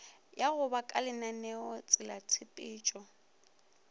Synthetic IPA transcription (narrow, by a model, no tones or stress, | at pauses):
jaɣʊbakʼalɪnanɛɔt͡sʼɪlat͡sʰɪpʼɪːt͡ʃʼɔ